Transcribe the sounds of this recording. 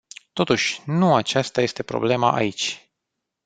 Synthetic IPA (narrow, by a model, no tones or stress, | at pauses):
t̪o̞t̪uʃʲnuat͡ʃast̪aje̞st̪e̞pɾo̞̰ble̞maʔa̰it͡ʃʲ